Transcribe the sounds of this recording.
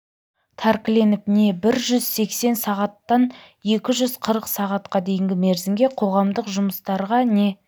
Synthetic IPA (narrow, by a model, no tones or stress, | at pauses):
t̪ʰaɾkʲle̞nɪp̚ne̞bɪɾʒʏzse̞kse̞nsɑʁɑt̪ːɑn | je̞kʲɪʒʏzqʰəɾəqsɑʁɑt̪qɑd̪e̞jɪŋɡʲɪme̞ɾzɪmɡʲe̞qʰo̞ʁɑmd̪əqʒʊməst̪ɑɾʁɑne̞